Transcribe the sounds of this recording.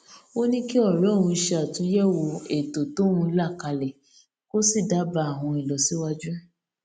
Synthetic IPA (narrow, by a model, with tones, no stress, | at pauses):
o˦nĩ˦ki˦ɔ˦˨ɾɔ̃˨˦˨ɾũ˧ʃe˧a˨tũ˨˦jɛ˦wo˧e˨to˨to˨˦wũ˧˦la˦˨ka˧lɛ˨ | ko˦si˦˨da˨˦ba˧a˦˨w̃ɔ̃˧i˨lɔ˨˦si˦wa˦d͡ʒu˦